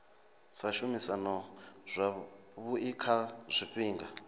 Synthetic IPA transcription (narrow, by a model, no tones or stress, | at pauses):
saʃumisanɔzʷa | βuikʰaz̥ʷiɸiːŋɡa